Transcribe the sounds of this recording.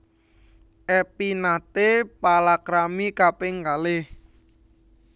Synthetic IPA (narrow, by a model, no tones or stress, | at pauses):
ʔɛpinat̪epalakɾamikapeŋɡaleh